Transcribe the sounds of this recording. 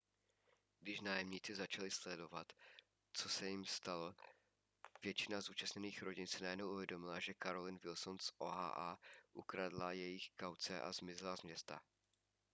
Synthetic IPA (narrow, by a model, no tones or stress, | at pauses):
ɡdɪʃnaːjɛmɲit͡sɪzat͡ʃalɪslɛdo̞vat̪ | t͡so̞sɛjɪmst̪alo̞ | vjɛt͡ʃɪnazuːt͡ʃasɲɛniːxɾo̞ɟɪnsɪnajɛdnowʔuvjɛdo̞mɪlaʒɛkaɾo̞lɪnvɪlsonsʔoɦa̰ːʔaːʔukɾadlajɛjɪxkawt͡sɛʔa̰zmɪzɪlazmɲɛst̪a̰